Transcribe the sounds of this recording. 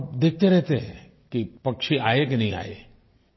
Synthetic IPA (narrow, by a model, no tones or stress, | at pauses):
bd̪eːk̚ʰt̪eɾɛɦt̪eɦɛ̰̃ | kipɐkʃiaːek̬inɐɦĩa̰ːḛ